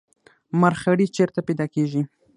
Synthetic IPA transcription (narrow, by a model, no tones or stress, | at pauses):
maɾxaɽit͡ʃeɾt̪apejd̪ɑkeʒi